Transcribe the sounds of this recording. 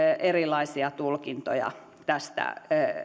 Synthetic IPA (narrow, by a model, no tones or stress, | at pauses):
erilɑisiɑt̪ulkint̪o̰jɑ̰ | t̪æst̪æ̰